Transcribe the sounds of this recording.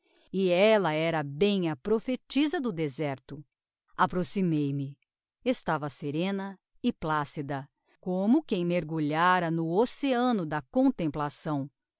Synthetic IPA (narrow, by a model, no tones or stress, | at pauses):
ɪɛlɐɛɾɐbẽj̃ɐpɾofet͡ʃizɐd̪ʊd̪ezɛɾt̪ʊ | apɾosimejmɪ | est̪avɐseɾẽnɐ | ɪplasid̪ɐ | kõmʊkẽj̃meɾɡuʎaɾɐnʊoseɐ̃nʊd̪ɐkõnt̪ẽmplasɐ̃w̃